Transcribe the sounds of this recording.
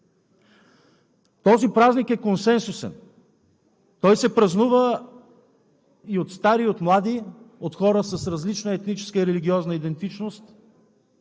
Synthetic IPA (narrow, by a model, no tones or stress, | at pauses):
t̪ɔzipɾaznikɛkonsɛnsusɛ̰n | t̪ɔjsɛpɾɐznuvə | iot̪st̪aɾiot̪mlˠad̪iot̪xɔɾəsɐsɾɐzlit͡ʃnəɛt̪nit͡ʃɛ̥skəiɾɛliɡʲiɔznəid̪ɛnt̪it͡ʃnost̪